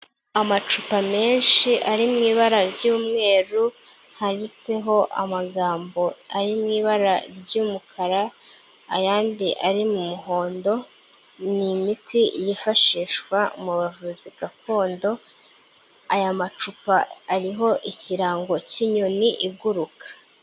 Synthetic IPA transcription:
amat͡ʃupame̞ːnʃiʔaɾimŋiːβaɾaɾjuːmŋe̞ːɾu | haɾit͡se̞ɦo̞ʔa̰maɡaːmbo̞aɾimŋiːβaɾaɾjuːmukʰaɾaː | jaːndiʔaɾimumuɦo̞ːndo̞ | nimitʰijifaʃiːʃkwamuβavuziɡako̞ːndo̞ | ajamat͡ʃupaːɾiɦo̞ʔiciɾaːŋɡo̞ciɲoniʔiɡuɾukʰḁ

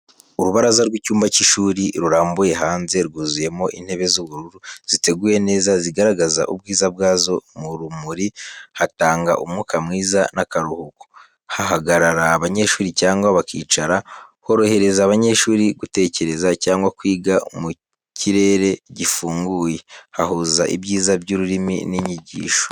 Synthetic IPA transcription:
uɾuβaɾazaɾwicuːmbaciʃuːɾiɾuɾaːmbuje̞ɦaːnze̞ɾɡuːzuje̞mo̞ʔin̥he̞βe̞zuβuɾuɾuz̥ite̞ɡuːje̞ne̞ːzaziɡaɾaɡaza̰ʔub̚ɡiːzab̚ɡaːzo̞muɾumuɾihataːŋɡa̰ʔumŋukʰamŋiːzanakaɾuhuko̥ | haɦaɡaɾaɾaːβaɲe̞ʃuːɾicaːŋɡwaβakḭːt͡ʃaɾaho̞ɾo̞he̞ɾe̞zaːβaɲe̞ʃuːɾiɡute̞ːce̞ɾe̞zacaːŋɡwakwiːɡamu | cʰiɾe̞ːɾe̞ɟifuːŋɡuːje̞haɦuzaʔḭbɟiːzabɟuɾuɾimḭniɲiɟḭːʃo

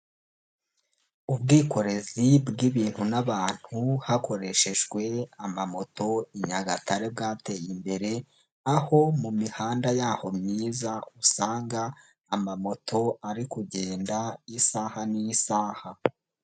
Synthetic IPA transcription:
ub̚ɡiːko̞ɾe̞zibɡiβiːn̥hunaβaːn̥huhakʰo̞ɾe̞ʃe̞ʒɡwe̞amamo̞to̞iɲaɡataɾe̞b̚ɡaːte̞jimbe̞ɾe̞ | aho̞mumihaːndajaːho̞mɲiːzausaːŋɡaː | mamo̞tʰo̞aɾikuɟe̞ːndaisaːhanijisaːha

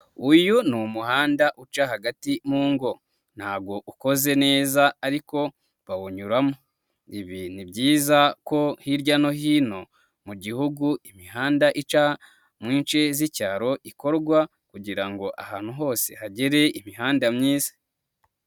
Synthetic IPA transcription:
ujunumuhaːndaʔut͡ʃahaɡatimuːŋɡo̞ | n̥haːɡo̞ʔuko̞ze̞ne̞ːzaːɾiko̞ | βawoɲuɾamo̞ | iβinibɟiːzako̞hiɾɟano̞hiːno̞ | muɟihuɡuimiɦaːndaʔit͡ʃa | mŋiːnt͡ʃe̞zicaːɾo̞ʔiko̞ɾɡwa | kuɟiɾaŋɡo̞ʔa̰haːn̥uɦo̞ːse̞̰haɟeɾe̞imiɦaːndamɲiːzḁ

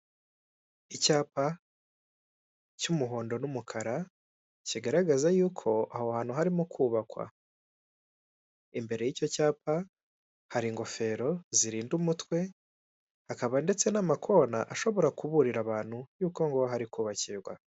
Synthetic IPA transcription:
icaːpa | cumuɦo̞ːndo̞numukʰaɾa | ciɡaɾaɡazajuːkʰo̞ahohaːn̥huɦaɾimukʰuːβakwa̰ | imbe̞ɾe̞jico̞caːpa | haɾiŋɡo̞fe̞ɾo̞ziɾiːndumutwe̞ | hakaβande̞t͡se̞namakʰo̞ːnaʔaʃo̞βo̞ɾakuβuɾiɾaβaːn̥hujuːko̞ŋɡo̞ɦaɾikuːβaciɾɡwa̰

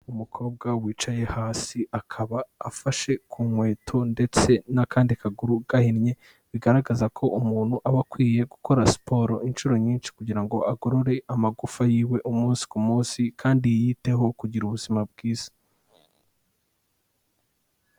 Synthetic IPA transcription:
umukʰo̞ːb̚ɡawiːt͡ʃaje̞haːsiʔakʰaβaːfaʃe̞kʰuːmwe̞ːtʰo̞nde̞t͡se̞nakaːndikaɡuɾuɡ̥ahinɲe̞ | βiɡaɾaɡazakʰo̞ʔumuːn̥huʔaβakwiːje̞ɡuko̞ɾasi̥pʰo̞ːɾo̞ʔinʃuɾo̞ɲiːnʃi̥kuɟiɾaŋɡo̞aɡoɾoɾe̞ʔamaɡufajiːwe̞ʔumuːnsi̥kumuːnsikʰaːndijite̞ɦo̞kuɟiɾuβuzimab̚ɡiːz̥ḁ

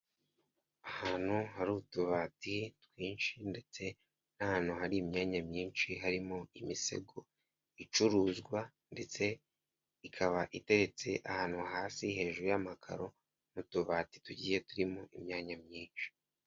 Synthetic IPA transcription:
ahaːn̥huhaɾutuβaːtitwiːnʃinde̞t͡se̞ | nahaːn̥huɦaɾiːmɲaːɲamɲiːnʃiɦaɾimoimise̞̰ɡo | it͡ʃuɾuːzɡwa | nde̞t͡se̞ | ikʰaβaʔite̞ɾe̞t͡se̞ʔahaːn̥huɦaːsihe̞ːʒuɾujamakʰa̰ɾo̞ | nutuβaːti̥tuɟḭːje̞tuɾimoʔimɲaːɲamɲiːnʃi̥

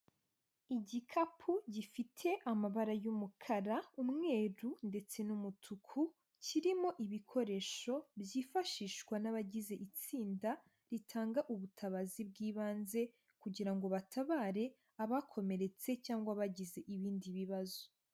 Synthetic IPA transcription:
iɟikʰapʰuɟifitʰe̞ʔamaβaɾajumukʰaɾaumŋe̞ːɾunde̞t͡se̞numutʰukʰu | ciɾimo̞ʔiβikʰo̞ɾe̞ʃo̞bjiːfaʃiːʃɡwanaβaɟize̞ʔit͡siːnda | ɾitʰaːŋɡaʔuβutʰaβazib̚ɡiːβaːnze̞ | kuɟiɾaŋɡo̞βatʰaβaːɾe̞ | aβakʰo̞me̞ɾe̞t͡se̞caːŋɡwaβaɟize̞ʔiβiːndiβiβazo

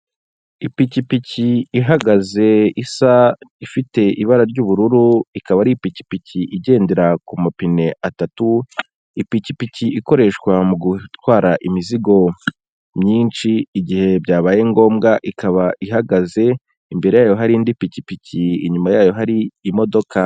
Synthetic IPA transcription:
ipicipiciːɦaɡaze̞isaifite̞ʔiβaɾaɾɟuːβuɾuɾuikaβaɾipici̥piciʔiɟe̞ːnde̞ɾakumapine̞ʔatatu | ipicipiciʔiko̞ɾe̞ʃkwamuɡutwaːɾaʔimiziɡo̞ | mɲiːnt͡ʃiːɟihe̞bɟaːβaːje̞ŋɡo̞ːmɡaʔikʰaβaiɦaɡaze̞ | imbe̞ɾe̞jaːjo̞ɦaɾiːndipicipiciḭɲumajaːjo̞ɦaɾiːmo̞do̞kʰa

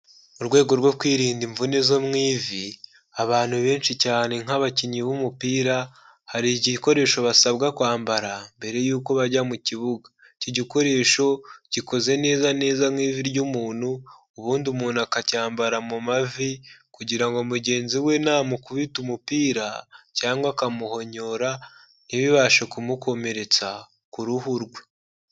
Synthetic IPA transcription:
uɾɡwe̞ːɡo̞ɾɡwo̞kwiːɾiːndiɱvunezo̞mŋiːvi | aβaːn̥huβe̞ːnʃicaːne̞ŋ̥aβaciɲiβumupiːɾa | haɾiɟiko̞ɾe̞ːʃo̞βasaβɡakwaːmbaɾambe̞ɾe̞juːko̞βaɟamuciβuɡa | ciɟiko̞ɾe̞ʃo̞ɟ̥iko̞ze̞ne̞ːzane̞ːzamwiːviɾɟumuːn̥huː | βuːndumuːnakacaːmbaɾamumavikuɟiɾaŋɡo̞muɟe̞ːnziwe̞naːmukuβitumupiːɾa̰caːŋɡwakamuho̞ɲo̞ɾa | niβiβaʃekumuko̞me̞ɾe̞t͡sa | kuɾuhuɾɡwe

